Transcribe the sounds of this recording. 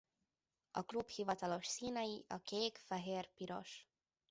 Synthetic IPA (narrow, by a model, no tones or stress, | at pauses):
ɒklubhivɒt̪ɒlo̞ʃsiːnɛjiʔɒkeːkfɛɦeːrpiɾo̞̰ʃ